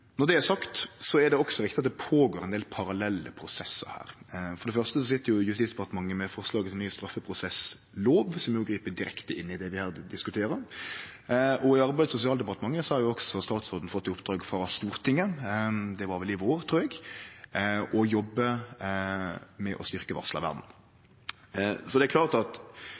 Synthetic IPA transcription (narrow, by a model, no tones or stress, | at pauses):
nɔɾd̪ɛæɾsɑkt̪sɔɛɖ̪ɛɔksɔɾɪkt̪ɪɑt̪d̪ɛpʰoːɡoːɾɛnd̪eːlpʰɑɾɑlɛlːə̰pʰɾʊsɛsːə̰ɾhæ̰ːɾfɔɾɖ̪ɛfœɾst̪əsɔsɪt̪ːəɾjʊjʉst̪iːsd̪ɛpɑt̪əmɑŋːəmɛfɔɾslɑːɡət̪ʰɪlnyːəst̪ɾɑfːəpʰɾʊsɛs | loːʋsɔmjʊɡɾiːpəd̪ɪɾɛ̰kt̪əɪnːɪd̪ɛʋɪhæːɾd̪ɪskʉt̪ʰeːɾəɾ | ʔɔɪɑɾbæɪd̪sʊsɪɑːld̪ɛpɑt̪əmɑŋːəsɔhɑɾjʊɔɡsɔst̪ɑːt̪sɔd̪n̩fɔt̪ːɪʊpd̪ɾɑːɡfɾɑst̪uːɾt̪ʰɪŋːəd̪ɛʋɑɾʋɛlɪʋoːɾt̪ʰɾuːɛɡ | ʔɔjɔbːə | mɛʔɔst̪ʏʁkəʋɑ̰ʁslɑ̰ʋæ̰ʁd̪n̩ | sɔd̪ɛæklɑːʁt̪ɑt̪